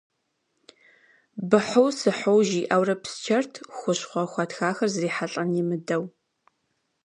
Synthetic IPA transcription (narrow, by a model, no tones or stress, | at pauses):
bɨħʊwsɨħowʒiːʔɐwrɐpst͡ʃʰɐrtʰxʷʊɕχʷɔxʷɑtxaːxɐrzriːħaɬʼɐnjimɨdɐw